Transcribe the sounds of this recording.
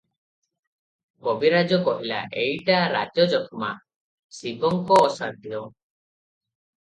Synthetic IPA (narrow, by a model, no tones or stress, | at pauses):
kɔbiɾad͡ʒɔkɔʔila̰ʔejʈaɾa̰d͡ʒɔd͡ʒɔkʰɔma̰ | sibɔŋkɔːsaɾd̪ijɔ